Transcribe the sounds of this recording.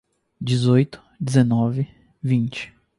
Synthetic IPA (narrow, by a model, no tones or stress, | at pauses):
d͡ʒɪzojt̪ʊ̥ | d͡ʒɪzenɔvɪ | vĩnt͡ʃɪ̥